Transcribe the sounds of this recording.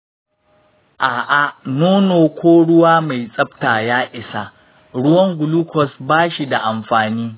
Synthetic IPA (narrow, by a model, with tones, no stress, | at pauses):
ʔaː˨ʔa˨noː˦noː˨kʷʰoː˦ɽʊ˦waː˦ma˨jsʼɐ˦btaː˨jaː˦ʔɪ˨sa˨ | ɽʊ˦wɐ˦ŋɡʷʊ˨lu˦kɔ˨sbaː˦ʃi˨da˨ʔa˨mɸaː˨niː˦